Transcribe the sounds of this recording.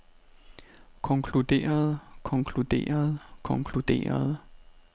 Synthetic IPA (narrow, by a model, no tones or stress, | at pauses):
kʰɒ̽ŋkʰlud̥e̝̰ːɐð̞̩ˠkʰɒ̽ŋkʰlud̥e̝̰ːɐð̞̩ˠkʰɒ̽ŋkʰlud̥e̝̰ːɐð̞ˠ